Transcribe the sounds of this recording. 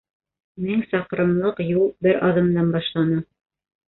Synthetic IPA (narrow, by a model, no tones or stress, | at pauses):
miŋsɑqɾɤ̆mlˠɤqjulˠbɘɾɑðɤ̆md̪ɑnbɑʃlˠɑnɤ